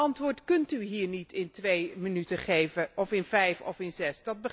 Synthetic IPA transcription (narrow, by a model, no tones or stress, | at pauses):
ɑntʋʊːɹtkɵntyɦiːɹnitʰɪntʋejmənytəχejvəʔɔfɪnvɛjfɔ̰fɪnzɛsdɑd̚bə